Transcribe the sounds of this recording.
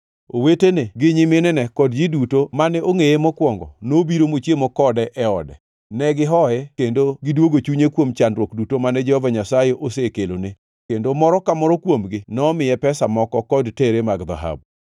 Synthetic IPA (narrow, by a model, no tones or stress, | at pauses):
oweteneɡɪɲɪmenɛnɛkɔdd͡ʒidutomanɛʔoŋejemɔkwɔŋɡɔ̰nobiɾomot͡ʃjemɔkɔdɛʔɛɔdɛ̰ | nɛɡɪɦɔɛkendoɡɪdwoɡot͡ʃuɲekwomt͡ʃandɾwokdutomanɛd͡ʒɛhɔvaɲasajeʔosekelone | kendomɔɾɔkamɔɾɔkwomɡɪnɔːmɪjɛpɛsamɔkɔkɔdteɾemaɡd̪a̰ɦa̰b̚